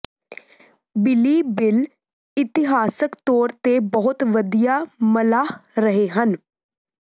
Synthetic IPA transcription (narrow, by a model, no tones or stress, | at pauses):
bɪliːbɪl | ɪt̪ɪɦaːsəkt̪oːɾt̪eːbəɦʊt̪ʋəd̪ijaːməlaːhɾəɦeːɦən